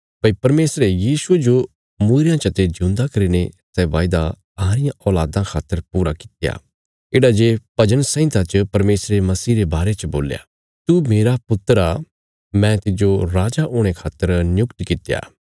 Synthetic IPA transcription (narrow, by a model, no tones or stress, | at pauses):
pɐipɐɾmeːsɾejiːsʊed͡ʒo | muːɾjãt͡ʃɐt̪ed͡ʒʊ̃ːnd̪akɐɾinesɛʋaːɪd̪a | aːɾɪjãʔɔːlaːd̪ãkʰaːt̪ːəɾpuːɾakɪ̥t̪ja̰ | eːɽad͡ʒepɐd͡ʒəɽ̃sɛ̃ɪ̃t̪at͡ʃpɐɾmeːsɾemɐsiːɾebaːɾet͡ʃbo̰ːlja̰ | t̪umeːɾapʊt̪ːəɾa | mɛ̃t̪ɪd͡ʒoɾaːd͡ʒaʔoːɽ̃ekʰaːt̪ːəɾnjʊkt̪kɪt̪ja̰ː